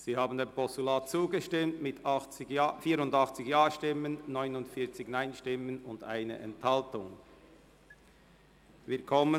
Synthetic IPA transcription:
z̥iːhaːbn̩denpʰɔstulaːt̚t͡suːɡəʃtɪmtmɪtʰɑɪfiːɾʊndɑχt͡sɪçjaːʃtɪmənːɔʏnʊndfiːɐt͡sɪɡnaɪnʃtɪmənʊnda̰ɪnə̰ʔɛ̰nthɑltʊŋ | vɪːɐkʰɔmə

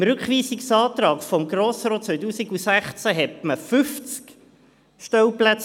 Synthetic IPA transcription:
mɾʉkχʋiːsiksɑːt̪ɾɑːkfɔmɡɾoːsɾoːt̚t͡sʋœʏjtuːsiɡusæχt͡sæɦɛtməfʏft͡sk | ʃtɛwplæt͡s

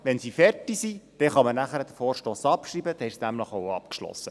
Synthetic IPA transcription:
ʋɛnsifɛrtisid̥ɛχɑmənæχæɾəd̥̪əfoːɾʃtoːsɑpʃriːbəd̥̪ɪʃsnæmləχoʊɑpkʃlɔ̰sːə

